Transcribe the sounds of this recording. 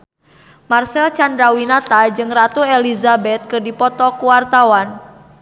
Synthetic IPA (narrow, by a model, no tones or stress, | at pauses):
marsɛlt͡ʃandɾawinat̪ad͡ʒɨŋrat̪uelizabɛt̪̚kɨrdipɔt̪ɔkuwart̪awan